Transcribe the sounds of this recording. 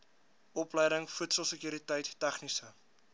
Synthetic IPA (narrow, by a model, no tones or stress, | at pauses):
ɔpləjdəŋfutsəlˠsəkjuːɾitəjtːæχnisə